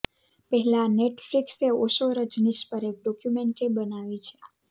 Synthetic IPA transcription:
pɛɦɛlãneʈflikseoʃoɾəd͡ʒniʃpəɾek̚ɖɔkjumeɳʈebənaʋit͡ʃʰe̥

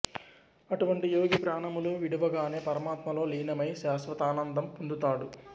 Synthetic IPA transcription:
ɐʈuʋɐɳʈijoːɡipɾaːɳɐmuluʋiɽiʋɐɡaːne̞ːpɐɾɐmaːt̪mɐlo̞ːliːnɐmɐjʃaːsʋɐt̪aːnɐnd̪ɐmpund̪ut̪aːɽu

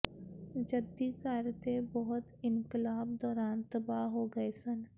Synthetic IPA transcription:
d͡ʒɐd̪ːikaːɾt̪ebɐɦʊt̪ɪ̃nkɪlaːbd̪ɔːɾaːnt̪ɐbaɦoɡɐesɐn

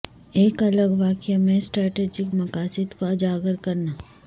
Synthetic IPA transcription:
eːkɐləɡʋaːkjamẽsʈɾɛːʈeːd͡ʒɪkmɐkaːsɪd̪koɐd͡ʒaːɡəɾkɐɾnaː

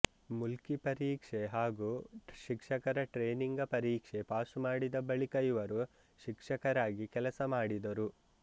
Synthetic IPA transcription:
mulkipɐɾiːkʂeɦaːɡuːʃikʂɐkɐɾɐʈɾeːniŋɡɐpɐɾiːkʂe̞paːsmaːɽid̪ɐbɐɭikɐjuʋɐɾu | ʃikʂɐkɐɾaːɡikɛlɐsɐmaːɽid̪ɐɾu

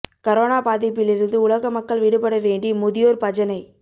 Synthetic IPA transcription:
kɐɾoːnaːpaːðɪpːɪlɪɾɯnd̪ɯʊlɐɣɐmɐkːɐɭʋiɽɯpɐɽɐʋeːɳɖimʊðɪjoːɾpɐd͡ʒɐnɐɪ

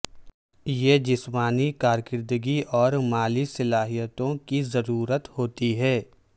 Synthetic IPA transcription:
jed͡ʒɪsmaːnikaːɾkɪɾd̪əɡiʔɔːɾmaːlisɐlaːɦijət̪õkizɐɾuːɾət̪hoːt̪iɦɛː

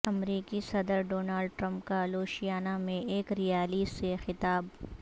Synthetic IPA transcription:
ɐmɾiːkisɐd̪əɾɖoːnaːlɖ̚ʈɾɐ̃mpkaloːʃijaːnamẽeːkɾijaːliːsexɪt̪aːb

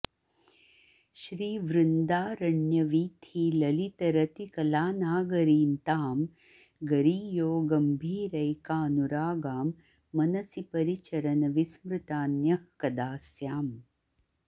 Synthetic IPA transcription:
ʃɾiːʋɾɨnd̪aːɾɐɳjɐʋiːt̪ʰiːlɐlit̪ɐɾɐt̪ikɐlaːnaːɡɐɾiːnt̪aːm | ɡɐɾiːjoːɡɐmbʱiːɾɐjkaːnuɾaːɡaːmː | ɐnɐsipɐɾit͡ʃɐɾɐnɐʋismɾɨt̪aːnjɐhkɐd̪aːsjaːm

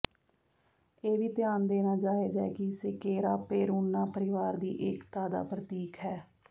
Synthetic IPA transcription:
eːʋiːt̪ɪjaːnd̪eːnaːd͡ʒaːeːd͡ʒɛ̰ːkɪsɪkeːɾaːpeːɾuːnːaːpəɾɪʋaːɾd̪iːʔɪkt̪aːd̪a̰ːpɾət̪iːkɦɛː

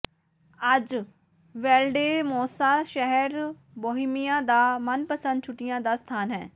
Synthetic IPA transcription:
əd͡ʒ | ʋɛːlɖeːmoːsaːʃɛɦɛɾ | boːɦɪmijãːd̪aːmənpəsə̃nd̪̚t͡ʃʰʊʈːɪjãːd̪aːst̪ʰaːnɦɛ̰̃ː

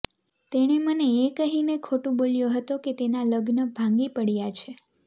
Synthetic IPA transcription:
t̪eɽ̃eməneːkəɦinekʰoʈũbolijoɦət̪oket̪enaləɡnəbʱãŋɡipəɽjat͡ʃʰe

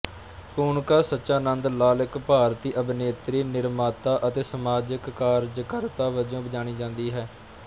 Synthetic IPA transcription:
kuːɳkaːsətːʃaːnə̃nd̪laːlɪkpaːɾt̪iːʔəbneːt̪ɾiːnɪɾmaːt̪aːʔət̪eːsəmaːd͡ʒəkːaːɾd͡ʒkəɾt̪aːʋəd͡ʒõːbəd͡ʒaːñiːd͡ʒãːnd̪iːɦɛː

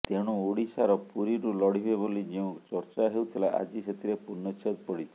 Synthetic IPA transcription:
t̪eɽ̃ũuɽisaɾɔpuɾiɾulɔɽibebolid͡ʒeũt͡ʃɔɾt͡ʃaɦeuwt̪ʰilaʔa̰d͡ʒiset̪ʰiɾepunːɔt͡ʃʰɔd̪pɔɽit͡ʃʰi̥

